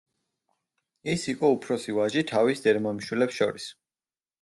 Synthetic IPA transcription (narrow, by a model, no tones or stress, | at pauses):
isiqʼɔupʰɾɔsivaʒit̪ʰavisd̪ɛɾmɔɛmʃwilɛpsʃɔ̰ɾis